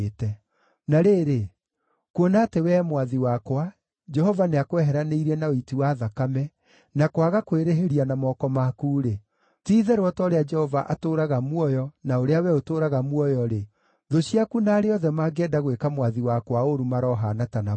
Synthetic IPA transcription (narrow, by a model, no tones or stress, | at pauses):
tɛ | naɾeːɾe | kuonatewɛmwaðiwakwa | d͡ʒɛhɔvaneakwɛɦɛɾaneiɾiɛnaoitiwaːðakamɛ | nakwaɣakweɾeɦeɾianamɔkɔmakuːɾe | tiːðeɾwɔtɔɾead͡ʒɛhɔvaʔatoɾaɣamwɔjɔnaoɾeawɛotoːɾaɣamwɔjɔɾe | ðoɕiakunaːɾeɔðɛmaːɡɛdaɣwekamwaðiwakwaoɾumaɾɔɦanatana